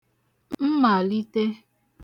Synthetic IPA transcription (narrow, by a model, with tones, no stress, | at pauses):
mm̩˦ma˨li˦te˦